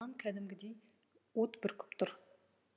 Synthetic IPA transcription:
ɑŋkʲʰæd̪ɪmɡʲɪd̪ej | wot̪bɪɾkʲʰʏ̥pt̪ʰʊɾ

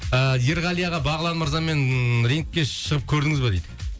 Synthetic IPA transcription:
əje̞ɾʁɑlˠijaʁɑbɑʁəlˠɑnməɾzɑme̞nɾeŋkʲːe̞ʃəʁəp̚kʲʰɵɾd̪ɪŋɪzbɑd̪ejd̪ɪ̥

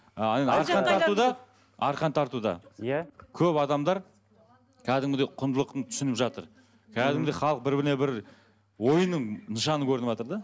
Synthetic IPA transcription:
enɑɾqɑnt̪ʰɑɾt̪ud̪ɑ | ɑɾqɑnt̪ʰɑɾt̪ud̪ɑ̰ | kʲʰɵpɑd̪ɑmd̪ɑɾ | kʲʰæd̪ɪŋd̪e̞qʰʊnd̪əlˠəqt̪ət̪ʰʏ̥sɪnɪpʒɑt̪əɾ | kʲʰæd̪ɪŋd̪e̞χɑlˠəq̚bɪɾbɪɾɪnebɪɾ | wo̞jənːəɴnəʃɑnəkʲʰɵɾɪnɪpʒɑt̪əɾd̪ɑ

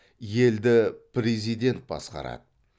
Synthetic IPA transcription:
je̞ld̪ɪpɾezijd̪ʲe̞nt̪̚bɑ̰sqɑ̰ɾɑ̰d̪̥ə

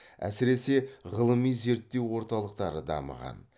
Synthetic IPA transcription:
æ̰sɪɾe̞se̞ʁəlˠəmijze̞ɾt̪ːe̞wwo̞ɾt̪ɑlˠəq̚t̪ɑɾəd̪ɑ̰mə̰ʁɑ̰n

